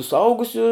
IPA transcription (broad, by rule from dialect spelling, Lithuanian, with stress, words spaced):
sʊˈɐʊɡʊsʲʊ